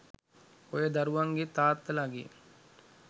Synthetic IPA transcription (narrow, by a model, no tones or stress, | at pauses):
ojəd̪aɾuʋaŋɡet̪aːt̪ːəlaɡḛ